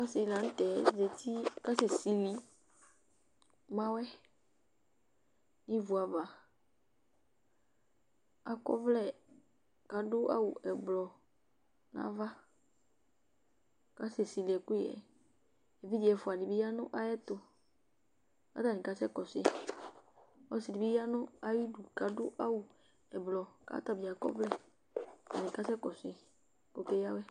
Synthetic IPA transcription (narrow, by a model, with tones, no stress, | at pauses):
ka˦sɪ˨˦lã˨˦n̩˦tɛ˨˦zɛ˨ti˦ka˦sɪ˨si˨li˨ | mã˦wɛ˦ | nĩ˦vu˨a˨va˨ | a˨kɔ̰˦vlɛ˨ | ka˨dʊ˦a̰˦wʊ˨ʔɛ˨blɔ˨ | nã̰˨˦va˦ | ka˦sɪ˨si˨li˨ɛ˨kʊ˦ɛ̰˨ | e˨vi˦d͡ʒi˨ɛ˨fʊ˨a˨di˨bi˦ja˦nʊ˦ʔa˦jɛ˦t̪ʊ˨ | ka̰˦ta˨nĩ˨ka˨sɛ˦kɔ˨sɪ˦ | ɔ˦sɪ˨di˨bi˦a˦nʊ̃˦a˦ji˦du˨ka˨dʊ˦ʔa˦wʊ˨ | ɛ˨blɔ˨ka̰˨˦t̪a˦˨bi˨a˨kɔ̰˦vlɛ˦˨ | a̰˨nĩ˨ka˦sɛ˦kɔ˨sɪ˨ | ko˨kɛ˦ja˦wɛ˦